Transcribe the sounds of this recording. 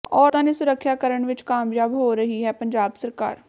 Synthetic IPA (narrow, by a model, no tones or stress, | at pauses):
ɔːɾt̪ãːniːsʊɾəkʰʃjaːkəɾəɳʋɪt͡ʃkaːmjaːbɦoːɾəɦiːɦɛːpəɲd͡ʒaːbsəɾka̰ːɾ